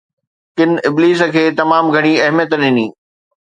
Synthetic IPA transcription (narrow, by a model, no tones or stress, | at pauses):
kɪnɪbliːs̬ə̆kʰeːt̪ɐmaːmɡʱɐɽ̃iɐɦmjət̪ɗɪniː